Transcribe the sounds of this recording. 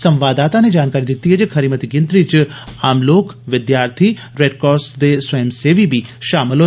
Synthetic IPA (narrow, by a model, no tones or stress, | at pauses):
sɐ̃mʋaːd̪aːt̪aned͡ʒaːnkaːɾid̪ɪt̪iɦed͡ʒkʰɐɾiːmət̪iɡɪ̃nt̪ɾit͡ʃaːmloːkʋɪd̪jaːɾt̪ʰi | ɾeːɖkɔːsd̪eswɐjəmseːʋibʱiʃaːmɪlɦoː